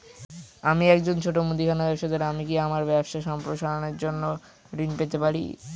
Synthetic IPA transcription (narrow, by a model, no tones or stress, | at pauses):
amiɛkd͡ʑont͡ɕʰoʈomud̪ikʰanabɛbʃad̪eɾamikiamaɾbɛbʃaʃɔmpɾoʃaɾoneɾd͡ʑonːo | ɾinpet̪epaɾḭ